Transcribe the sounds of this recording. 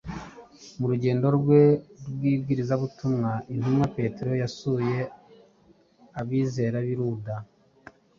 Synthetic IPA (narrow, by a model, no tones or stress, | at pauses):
muɾuɟe̞ːndo̞ɾɡwe̞ɾwiːbɡiːɾizaβutumŋaʔin̥humŋape̞te̞ɾo̞jasuːje̞ | aβiːze̞ːɾaβiɾuda